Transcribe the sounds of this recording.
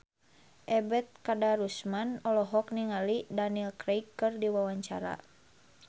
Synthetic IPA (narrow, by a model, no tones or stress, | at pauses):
ʔɛbɛt̪̚kadaɾusmanɔlɔɦɔk̚niŋalidanilkɾejkːɨrdiwawaɲt͡ʃa̰ɾa̰